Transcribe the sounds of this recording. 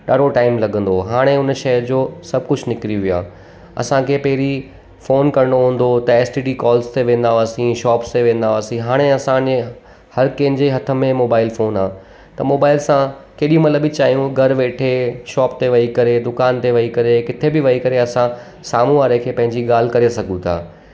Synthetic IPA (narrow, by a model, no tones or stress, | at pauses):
ɗa̰ːɽ̤oʈaːɪmlɐɠə̃nd̪oɦaːɽ̃eʊnʃɐɦəɾd͡ʑoːsɐb̚ʱkʊd͡ʑʱnɪkɾijuʋija̰ː | ɐ̰sãkʰeːpɐɦɪɾi | foːnkɐɾɽoɦũːn̆d̪ot̪ɐeːsʈɪɖikɔːlst̪eʋẽːnd̪asĩʃɔːpst̪eʋẽːnd̪aoːsĩɦaːɽ̃eɐsãe | hɐɾkɐɪ̃d͡ʑeɦɐt̪ʰə̆mẽmoːbaːɪlfoːnaː | t̪ɐmoːbaːɪlsãkeːɗijũmɐt̪ləbɪt͡ɕaːijũɡɐɾʋeːʈʰeʃɔːpt̪eʋɐɦikɐɾed̪ʊkaːnt̪eʋɐɦikɐɾekɪt̪ʰebɪʋɐikɐɾeɐsã | saːmũʋaːɾekʰeːpɐ̃ɦɪ̃ɲd͡ʑiɠaːl̤ɪ̆kɐɾesɐɡʱũt̪ʰa̰ː